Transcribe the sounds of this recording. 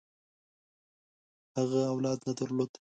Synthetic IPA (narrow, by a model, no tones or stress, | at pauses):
haɣaawlɑd̪nad̪aɾlod̪